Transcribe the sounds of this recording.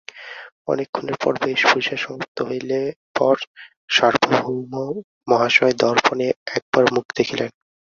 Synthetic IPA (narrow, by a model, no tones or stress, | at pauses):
ɔ̰nekʰːoneɾpɔ̰ɾbeʃbuʃaʃɔmop̚t̪oɦojlepɔɾ | ʃaɾbʱobʱumo | mɔɦaʃɔd̪ɔɾponeɛk̚baɾmukʰd̪ekʰilen